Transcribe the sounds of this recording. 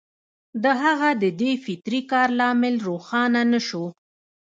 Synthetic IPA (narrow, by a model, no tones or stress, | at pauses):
d̪əɦaɣad̪əd̪efɪt̪ɾikɑɾlɑmɪlɾoxɑnanəʃo